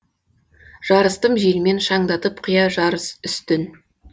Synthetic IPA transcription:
ʒ̥ɑɾəst̪əmʒelme̞nʃɑɴd̪ɑt̪əpqʰʊjɑʒɑɾəsʏst̪ɪn

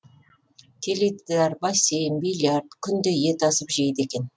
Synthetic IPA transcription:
kʲʰelejt̪ːæɾbɑsejmbilʲjard̪kʲʰʏnd̪ɪje̞t̪ɑsəpʒejd̪e̞kʲe̞n

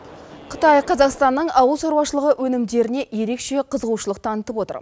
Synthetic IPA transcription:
qʰə̥t̪ɑjqʰɑzɑqst̪ɑnːəɴɑwəlˠsoɾwɑwʃəlˠəʁəʔwʔɵnɪmd̪e̞ɾɪne̞je̞ɾe̞kʃe̞qʰəzəʁuʃəlˠəq̚t̪ʰɑnət̪əpo̞t̪ə̰ɾ

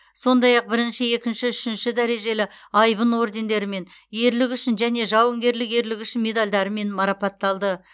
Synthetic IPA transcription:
so̞nd̪ɑjɑq̚bɪɾɪnʃɪe̞kʲɪnʃɪʏʃɪnʃɪd̪æɾe̞ʒe̞lɪɑjbənwo̞ɾd̪e̞nd̪e̞ɾɪme̞n | je̞ɾlɪkʲʏʃɪnʒæne̞ʒɑwəŋɡʲe̞ɾlɪke̞ɾlɪkʲʏʃɪnme̞d̪ɑlʲd̪ɑɾəme̞nmɑɾɑpɑt̪ːɑlˠd̪ə

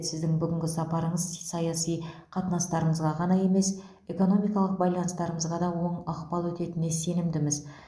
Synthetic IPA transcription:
sɪzd̪ɪŋbʏɡʲɪŋʲɡʲɪsɑpɑɾəɴəzsɑjɑsijqʰɑt̪ənɑst̪ɑɾəɴəzʁɑʁɑnɑje̞me̞s | e̞ko̞no̞mijkɑlˠəq̚bɑjlˠɑnəst̪ɑɾəɴəzʁɑd̪ɑwo̞ɴɑqpɑlˠwɵt̪e̞t̪ɪne̞se̞nɪmd̪ɪmɪz

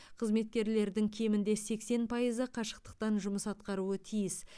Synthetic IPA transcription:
qʰəzme̞t̪̚kʲe̞ɾle̞ɾd̪ɪŋkʲʰe̞mɪnd̪e̞se̞kse̞npʰɑjəzəqʰɑʃə̥q̚t̪ə̥q̚t̪ɑnʒʊməsɑt̪qɑɾuət̪ʰijɪs

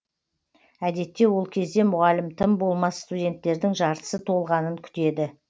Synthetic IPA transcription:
æd̪e̞t̪ːe̞wo̞lˠkʲʰe̞zd̪e̞mʊʁɑlɪmt̪ʰəmbo̞lˠmɑsst̪udʲe̞nt̪ːe̞ɾd̪ɪŋʒɑɾt̪ə̥sət̪ʰo̞lˠʁɑnəŋkʲʰʏ̥t̪e̞d̪ɪ

